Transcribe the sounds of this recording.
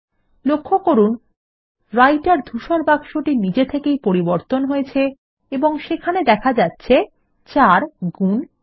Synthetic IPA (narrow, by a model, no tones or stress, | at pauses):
lokʰːokoɾun | ɾajʈaɾd̪ʱuʃoɾbaɡʃoʈinid͡ʑet̪ʰekejpoɾiboɾt̪onɦojet͡ɕʰe | eboŋʃekʰaned̪ɛkʰad͡ʑatːɕʰe | t͡ɕaɾɡun